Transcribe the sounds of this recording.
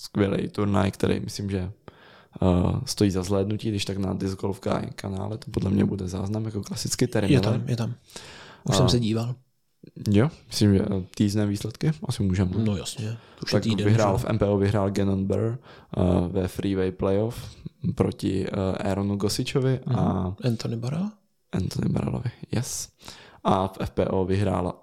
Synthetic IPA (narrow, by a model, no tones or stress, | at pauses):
skvʲjɛlɛ̰jt̪uɾna̰jkt̪ɛ̰ɾɛ̰jmɪslimʒɛ | st̪o̞jiːzazlɛːdnuciːɡdɪʃt̪akna̰dɪzɡolfɡa̰ːjkʰana̰ːlɛt̪o̥podlɛmɲɛ̰budɛza̰ːznamjakoklasɪt͡skɪt̪ɛɾjɛamjɛt̪am | ussɛsɛɟiːval | jomɪslimʒɛ̰t̪iznɛːviːslɛt̪kɪʔasɪmuːʒɛmnojasɲɛt̪ak̪ːvɪɦɾaːlfʔɛ̰mpɛːʔoːvɪɦɾaːlɡɛnonbɛ̰ɾ | vɛfɾiːvɛjplɛjofpɾocɪ̰ʔɛ̰ɾonuɡosɪt͡ʃovɪʔaɛnt̪onɪbaɾal | ʔɛnt̪onɪ̰ba̰ɾɛ̰lo̰vɪjɛsʔafʔɛfpɛːʔoːvɪɦɾa̰ːl